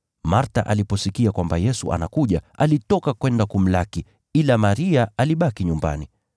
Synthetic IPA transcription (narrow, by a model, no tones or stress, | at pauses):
maɾtaʔalipɔsikiakwambajɛsṵʔa̰nakuʄaʔalitɔkakwɛndakum̩laki | ilamaɾiaaliɓakiɲumba̰ni